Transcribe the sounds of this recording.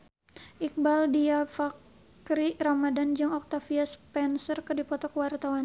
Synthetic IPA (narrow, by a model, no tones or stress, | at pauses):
ʔik̚baldiafak | ɾiɾamadand͡ʒɨŋɔk̚t̪afiaspɛnsərkərdipɔt̪ɔkwart̪awan